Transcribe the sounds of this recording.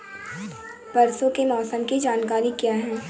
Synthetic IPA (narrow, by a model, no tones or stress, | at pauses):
pɐɾsõkemɔːsəmkid͡ʒaːnkaːɾikjaːɦɛ̃ː